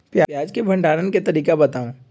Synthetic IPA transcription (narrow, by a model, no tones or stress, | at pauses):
pjajaːd͡ʒkebʱɐ̃ɳɖʱaːɾənket̪ɐɾiːkabɐt̪aːũ